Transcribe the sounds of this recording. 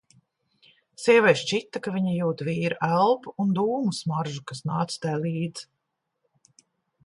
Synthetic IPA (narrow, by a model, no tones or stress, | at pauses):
siɛvɛjʃt͡ʃit̪ːakaviɲijuːt̪viːɾuʔælˠpuund̪uːmusmaɾʒukasnaːt̪st̪ajlˠiːd̪z̥